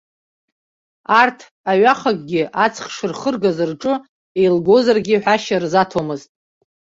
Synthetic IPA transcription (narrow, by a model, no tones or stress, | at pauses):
artʰ | aɥaχak̚ʼɡʲɪʔat͡sʰχʂɨrχərɡazɨrʈ͡ʂʼɨ | ejlɡo̞zarɡʲɪħʷᶣaʃarzatʰomɨztʼ